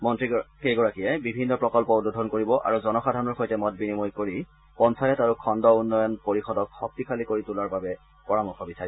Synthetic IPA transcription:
mɔntɹikeɡɔɹakijɛbibʱinːɔpɹɔkɔlpɔodudʱɔnkoɹibɔʔa̰ɹuzɔnɔxadʱaɔnɔɹxojtɛmɔt̚binimojkoɹi | pɔnsʰajɔtaɹukʰɔndɔunːɔjɔnpoɹixɔdɔkxɔk̚tikʰalikoɹitulaɹbabɛ | pɔɹamɔxɔbisaɹi

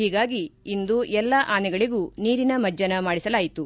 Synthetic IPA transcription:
hiːɡaːɡiːnd̪uʔɛlːaʔaːnɛɡɐɭiɡuːniːɾinɐmɐd͡ʒːɐnɐmaːɽisɐlaːjit̪u

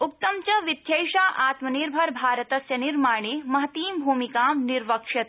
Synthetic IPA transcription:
uk̚t̪ɐmt͡ʃɐʋit̪jɐjʃaːʔaːt̪mɐniɾbʱɐɾbʱaːɾɐt̪ɐsjɐniɾmaːɳeːmɐɦɐt̪iːmbʱuːmikaːmniɾʋɐkʂɐt̪

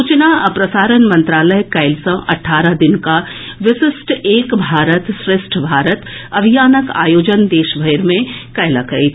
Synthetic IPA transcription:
uːt͡ʃnaɐpɾɐsaːɾənmɐ̃nt̪ɾaːləjkɐɪlsə̃ʔɐ̰ʈʰːaːɾad̪ɪnkaʋɪsɪsʈʰeːkbʱaːɾət̪sɾɪsʈʰbʱaːɾət̪ɐbʱijaːnəka̰ːjoːd͡ʒənd̪eːʃbʱɐjɾmẽkɐjlakəi

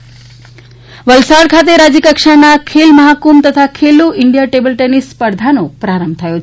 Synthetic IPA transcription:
ʋəlsaɽkʰat̪̬eɾad͡ʒikəkʂənakʰelməɦakumt̪ət̪ʰakʰeluʔɪɳɖijaʈebəlʈenispəɾd̪ʱanopɾaɾəmb̚ʱt̪ʰəjo

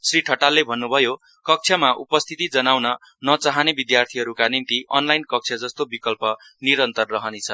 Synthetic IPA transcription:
sriʈʰʌʈalːebʱʌnːubʱʌjo | kʌk̚t͡sʰjʌmaʔupʌst̪ʰit̪id͡zʌnawnʌ | nʌt͡saɦanebid̪jart̪ʰiɦʌɾukanint̪iʔʌnlajnkʌk̚t͡sʰjʌd͡zʌst̪obikʌlpʌ | niɾʌnt̪ʌrːʌɦʌnet͡sʰʌ

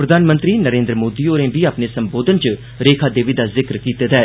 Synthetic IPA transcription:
pɾəd̪ʱaːnmə̃nt̪ɾiːnəɾẽːnd̪ɾəmoːd̪iːoːɾẽːʋiːaːpneːsəmboːd̪ənt͡ʃə | ɾeːkʰaːd̪eːʋiːd̪aːzɪkɾkiːt̪eːd̪ɛː

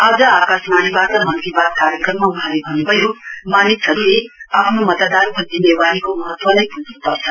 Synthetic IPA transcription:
aːd͡zʌakasmanibat̪ʌmʌnt̪ɾibad̪̚kaɾjʌkrʌmːauɦãlebʱʌnːupʌjomaːnitsʰʌɾuɾiapʰnomʌt̪ad̪anpʌd̪ineʋalikomʌɦʌt̪ʋʌlajpusnupʌɾt͡sʰʌ

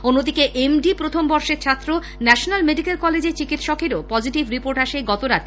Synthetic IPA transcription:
onːod̪ikeʔemɖipɾot̪ʰombɔɾʃeɾt͡ɕʰat̪ːɾo | nɛʃonalmeɖikelkɔled͡ʑeɾt͡ɕikit̪ʃɔkeɾopɔd͡ʑiʈibɾipoɾʈaʃeɡɔt̪oɾat̪ʰ

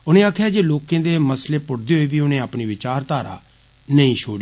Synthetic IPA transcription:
ʊnẽːaːkʰjaːd͡ʒeːloːkẽːd̪eːməsleːpʊɽd̪eːɦoiːbiːʊnẽːaːpniːʋɪt͡ʃaːɾt̪aːɾa̰ː | nəĩːʃʰoːɽ

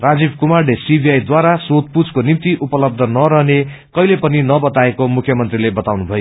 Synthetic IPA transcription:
rad͡zibkumarɖesibʱiajd̪waɾasot̪̚pud͡zkonimt̪iʔupʌlʌb̚d̪ʱʌnʌɾʌɦne | kʌilepʌninʌbʌt̪aekomukʰːjʌmʌnt̪rilebʌt̪awnubʱʌjo

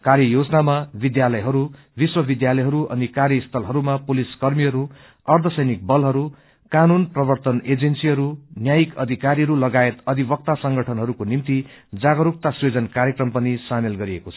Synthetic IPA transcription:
kaɾjʌjod͡znamabid̪jalʌjɦʌɾu | biswʌbid̪jalʌjɦʌɾuʔʌ̰nikaɾjʌist̪ʰʌlɦʌɾumapuliskʌrmiɦʌɾu | ʌrd̪ʱʌsʌjnik̚bʌlɦʌɾu | kanunprʌbʌrt̪ʌned͡zensiɦʌɾunjajikʌd̪ʱikaɾiɦʌɾulʌɡaet̪ʌd̪ʱibʌk̚t̪asʌŋɡʌʈʰʌnɦʌɾukonimt̪i | d͡zaɡʌɾuk̚t̪aswed͡zʌnkaɾjʌkrʌmpʌnisamelɡʌɾiekot͡sʰʌ̥

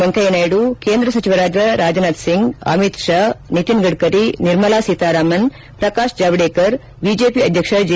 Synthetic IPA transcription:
ɐŋkɐjnaːjɽukeːnd̪ɾɐsɐt͡ʃiʋɐɾaːd͡ʒɐɾaːd͡ʒɐnaːd̪siŋɡɐ̰mit̪ʃaːnit̪inɡɐɽkɐɾiniɾmɐlaːsiːt̪aːɾaːmɐn | pɾɐkaːʃd͡ʒaːʋɐɖeːkɐɾ | bid͡ʒeːpiɐd̪ʱjɐkʂɐd͡ʒ

